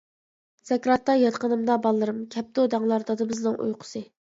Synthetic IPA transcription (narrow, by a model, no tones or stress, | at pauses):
z̥ɛkʲɾɑt̪ːɑjɑt̪qənɨmd̪ɑbɑlˠːɨɾɨmkʲʰɛp̚t̪od̪ɑŋlˠɑɾd̪ɑd̪ɨbɪznɨŋʔṵjqʰʊ̥sɨ